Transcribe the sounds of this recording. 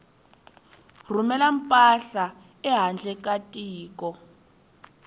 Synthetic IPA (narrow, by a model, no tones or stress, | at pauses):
r̤umɛlam̩pʼaɬa | ɛɦand͡ɮʱɛk̬ʼatʼiːk̬ʼɔ